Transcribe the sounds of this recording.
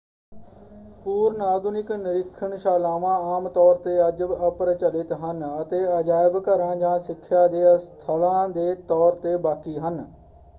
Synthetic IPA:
puːɾnaːd̪ʊnɪknɪɾɪkʰːəɳʃaːlaːʋãːaːmt̪ɔːɾt̪eːəd͡ʒəbəpɾt͡ʃəlɪt̪ɦənət̪eːəd͡ʒaːɪbkəɾãːd͡ʒãːsɪkʰːjaːd̪eːəst̪ʰəlãːd̪eːt̪ɔːɾt̪eːbaːkiːɦən

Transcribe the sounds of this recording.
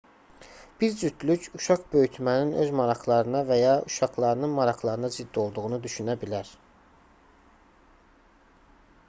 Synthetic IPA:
b̥iɾd͡ʒyt̪lycʰuʃɑχbø̞jyt̪ʰmæninʔø̞zmɑɾɑχlˠɑɾɯnɑvæjɑʔuʃɑχlˠɑɾɯnɯnmɑɾɑχlˠɑɾɯnɑzid̪ːio̞lˠd̪uʁunud̪yʃynæbilæɾ

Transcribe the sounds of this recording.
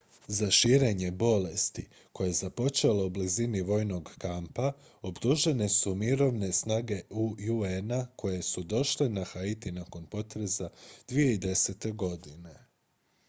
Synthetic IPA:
zaʃiːɾe̞ɲe̞bo̞le̞st̪i | ko̞je̞zapo̞t͡ʃe̞leubliziniʋo̞ːjno̞ɡkampa | o̞bt̪uʒe̞ne̞sumiɾo̞ʋne̞snaːɡe̞ujuenako̞je̞sud̪o̞ʃlenaxait̪inako̞npo̞t̪ɾe̞zad̪ʋije̞id̪e̞se̞t̪e̞ɡo̞d̪ine̞

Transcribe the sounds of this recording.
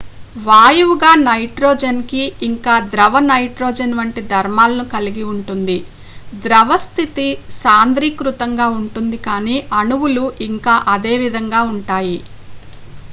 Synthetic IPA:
ʋaːjuʋuɡaːnɐjʈɾoːd͡ʒɐnkiːŋkaːd̪ɾɐʋɐnɐjʈɾoːd͡ʒɐnʋɐɳʈid̪ʱɐɾmaːlɐnukɐliɡiuɳʈund̪i | d̪ɾɐʋɐst̪ʰit̪isaːnd̪ɾiːkɾut̪ɐŋɡaːuɳʈund̪ikaːniːʔɐnuwuluiŋkaːʔɐd̪e̞ːʋid̪ʱɐŋɡaːuɳʈaːji

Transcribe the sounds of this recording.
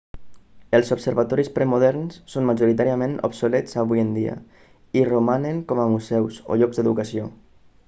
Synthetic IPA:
əlˠzobsəɾβat̪ɔɾispɾɛmuðɛɾnsːonmaʒuɾit̪aɾiamẽno̰bsoleɛzaβujənd̪ia̰ | irumaneŋkɔmamuzɛwso̰ʎɔɡzd̪eðukasijo

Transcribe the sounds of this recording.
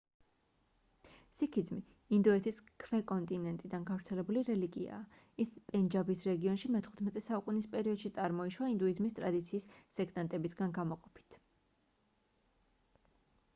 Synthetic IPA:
sikʰid̪zmiː | nd̪uɛt̪ʰiskʰvɛkʼɔnt̪ʼinɛnt̪ʼid̪anɡavɾt̪sʰɛlɛbuliɾɛliɡḭa̰ː | ispʼɛnd͡ʒabisɾɛɡiɔnʃimɛt̪ʰχu̥t̪ʰmɛt̪ʼɛsaukʼunispʼɛɾiɔd̪̥ʃit̪sʼaɾmɔiʃwaind̪uizmist̪ʼɾad̪it̪sʰiːsːɛɡt̪ʼant̪ʼɛbisɡanɡamɔqʼɔpʰi̥t̪ʰ

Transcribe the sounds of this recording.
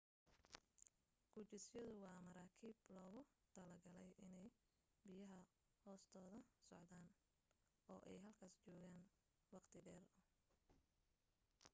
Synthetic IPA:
ɡ̥ʊt͡ʃɪsjɔðʊwɑːmɐɾaːkʰiːblɔːɣʊt̪ʰɐlɐrɡɐlɛjʔɪnɛj | bɪjɐɦɐ | hɔːst̪ʰɔːðɐsɔ̰ʕd̪aːn | ɔːʔɛjɦɐlkʰaːst͡ʃɔːɣaːn | wɑqt̪ʰɪɖɛːrʊ

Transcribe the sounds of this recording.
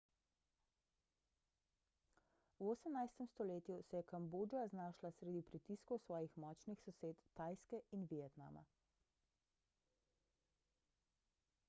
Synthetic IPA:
wosəmnajst̪ɛmst̪ɔleːt̪jusɛjɛkamboːd͡ʒijaznaːʃlasɾed̪ipɾit̪iːskɔwsʋɔːjixmɔːt͡ʃnixsɔseːt̪ːaːjskɛinʋijɛt̪na̰ːma̰

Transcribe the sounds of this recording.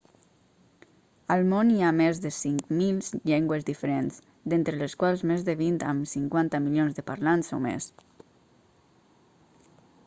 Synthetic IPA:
əlˠmoniamezðəsiŋkmilzʎɛŋɡwəzðifəɾenz | d̪ent̪ɾələskwalˠzmezðəβint̪ə̰msiŋkwant̪əmiljonzðəpaɾlanso̰mḛs

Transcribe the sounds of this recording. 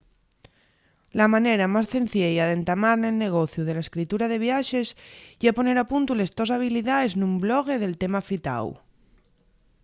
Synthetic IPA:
lamaneɾamasθẽn̟θjejaðent̪amaɾnelne̞ɣ̞oθjuðelaeskɾit̪uɾaðe̞βjaʃe̞sʝapone̞ɾapunt̪ulezt̪ozaβ̞iliðaeznumbloɣ̞eð̞e̞lt̪emafit̪a̰w

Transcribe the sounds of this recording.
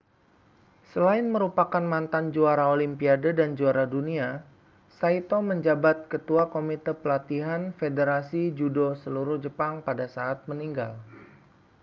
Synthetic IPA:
səlaɪnməɾupakanmant̪and͡ʒuaɾaolimpiadədand͡ʒuaɾadunia | sait̪oməɲd͡ʒabat̪̚kət̪uakomit̪əpəlat̪iɦanfedəɾasid͡ʒudosəluɾʊhd͡ʒəpaŋpadasaːat̪̚məniŋɡa̰l

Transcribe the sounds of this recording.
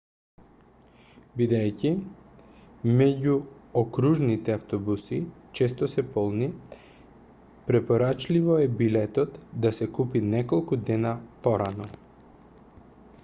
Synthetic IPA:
bid̪ɛjci | mɛɟuokɾuʒnit̪ɛaft̪ɔbusit͡ʃɛst̪ɔsɛpɔlˠni | pɾɛpoɾat͡ʃlivɔɛbilɛt̪ɔt̪d̪asɛkupinɛkolˠkud̪ɛnapɔɾanɔ

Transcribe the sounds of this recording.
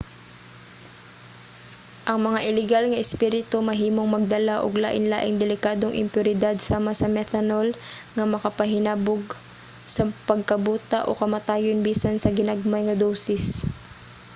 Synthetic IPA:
ʔɐŋmɐŋaʔɪlɪɡalŋɐʔɪspiɾɪt̪o̞mɐɦiːmoŋmɐɡ̚d̪ɐlaʔo̰ɡlaːʔɪnla̰ːʔɪŋd̪ɛlɪkaːd̪oŋʔɪ̰mpjʊɾɪd̪ad̪̚saːmɐsɐmɛt̪ɐnolŋɐmɐkɐpɐɦɪnaːboɡ̚ | sɐpɐɡ̚kɐbuːt̪aʔo̰kɐmɐt̪aːjonbiːsɐnsɐɡɪnaɡ̚majŋɐd̪osɪs

